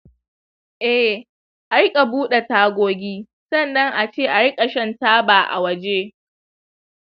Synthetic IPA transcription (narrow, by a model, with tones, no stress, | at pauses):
ʔɛ˦ | ʔa˨˦ɾɪ˦kʼa˨buː˦ɗe˨taː˦ɡʷoː˦ɡʲiː˦ | sɐ˦˨nːɐ˦ŋʔa˨t͡ʃeː˦˨ʔa˨ɽɪ˦kʼa˨ʃɐ˦ntaː˦baː˨ʔa̰˨wɐ˦d͡ʒe˦